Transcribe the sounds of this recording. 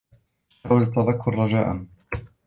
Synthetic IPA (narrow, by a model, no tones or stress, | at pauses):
aːwalt̪aðˤakːʊɾˤɑd͡ʒaːʔa̰n